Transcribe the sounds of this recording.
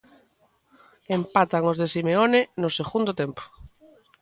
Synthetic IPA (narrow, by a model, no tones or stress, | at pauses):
empat̪aŋozðesimeonenoseɣund̪ot̪empo̥